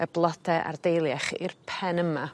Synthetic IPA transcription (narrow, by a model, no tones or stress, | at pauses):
əblˠɔdʰɛʔa̰rdejlˠjaχɪ̰rpʰɛnəma